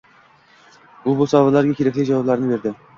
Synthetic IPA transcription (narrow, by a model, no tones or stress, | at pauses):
ʊbʊsɑvalaɾɡʲakʲʰeɾækʲlɪjd͡ʒawɒblaɾnɪbe̞ɾd̪ɪ